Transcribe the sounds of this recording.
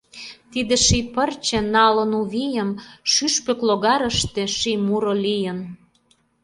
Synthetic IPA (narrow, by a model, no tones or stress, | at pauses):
t̪id̪ĕʃipərt͡ɕĕnɑlə̆nuβijə̆mʃyʃpĕkloɣɑɾə̆ʃt̪ĕʃijmuɾolijə̆n